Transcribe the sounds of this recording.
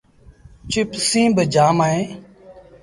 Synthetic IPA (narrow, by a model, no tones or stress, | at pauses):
t͡ʃɪpsĩːbəd͡ʒaːmaːẽː